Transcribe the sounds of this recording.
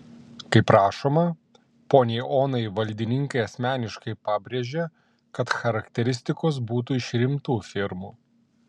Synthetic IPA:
kɐɪpɾɑːʃoːmɐ | poːnʲɛɪʔoːnɐɪʋɐlʲd̪ʲɪnʲɪŋkɐɪɐsʲmʲæːnʲɪʃkɐɪpɑːbʲɾʲeːʒʲe | kɐt̪xɐɾɐkt̪ʲɛɾʲɪsʲt̪ʲɪkoːs̬buːt̪̬uːɪʃɾʲɪmt̪uːfʲɪɾmuː

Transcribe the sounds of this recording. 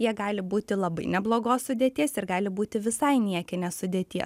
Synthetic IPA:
jiɛɡɑːlʲɪbuːt̪ʲɪlˠɐbɐɪnʲɛblˠoːɡoːssʊd̪ʲeɛt̪ʲiɛsɪrɡɑːlʲɪbuːt̪ʲɪʋʲɪsɐɪnʲiɛkʲɪnʲeːsʊd̪ʲeːt̪ʲiɛs

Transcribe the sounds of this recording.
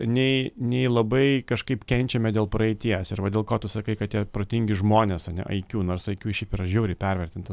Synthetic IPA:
nʲɛɪnʲɛɪlˠɐbɐɪkɐʃkɐɪpkʲɛnʲt͡ʃʲɛmʲɛd̪ʲeːlˠpɾɐɛɪt̪ʲiɛsɪɾʋɐdʲeːlˠkoːt̪ʊsɐkɐɪkɐtt̪ʲiɛpɾoːt̪ʲɪŋʲɡʲɪʒmoːnʲesɐnʲɛ̰ʔɐɪkʲuːnoːɾsɐɪkʲuːʃʲɛɪpɪɾɐʒʲuːɾʲɪpʲɛɾʲʋʲɛɾʲt̪ʲɪnt̪

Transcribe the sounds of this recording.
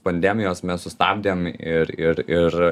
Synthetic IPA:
pɐnʲd̪ʲæːmʲɪjoːsmʲɛssʊst̪ɑ̰ːbʲd̪ʲeːmɪɾɪɾɪɾ

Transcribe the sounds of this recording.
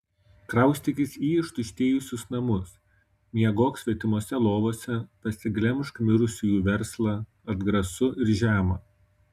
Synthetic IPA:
kɾɐˑʊsʲt̪ʲɪkʲɪsiːɪʃt̪ʊʃʲt̪ʲeːjʊsʲʊsnɐmʊs | mʲiɛɡoːksʲʋʲɛt̪ʲɪmoɔsʲɛlˠoːʋoːsʲɛpɐsʲɪɡlʲɛmʃkmʲɪɾʊsʲuːjuːʋʲɛɾslˠɑ | ɐd̪ɡɾɐsʊʔɪɾʒʲæːmɐ

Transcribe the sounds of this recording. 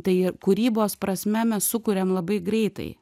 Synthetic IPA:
t̪ɐɪɪkuɾʲiːboːspɾɐsʲmʲɛmʲɛssʊkʊɾʲeːmlˠɐbɐɪɡɾʲɛɪt̪ɐ̰ɪ

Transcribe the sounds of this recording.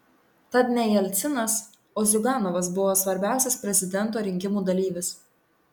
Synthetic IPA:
t̪ɐt̪nʲɛjɛlʲt̪sʲɪnɐs | oːzʲʊɡɑːnɔʋɐsbʊʋoːsʋɐɾʲbʲæˑʊsʲɛspʲɾʲɛzʲɪd̪ʲɛnt̪oːɾʲɪŋʲkʲɪmuːd̪ɐlʲiːʋʲɪs

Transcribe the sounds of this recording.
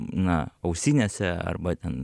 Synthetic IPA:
naawsinasɛa̰ɾbat̪an

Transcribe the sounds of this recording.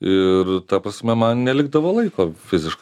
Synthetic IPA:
ɪrt̪ɐpɾɐsʲmʲɛmɐnnʲɛlʲɪɡd̪ɐʋoːlˠɐɪkoːfʲɪzʲɪʃkɐɪ

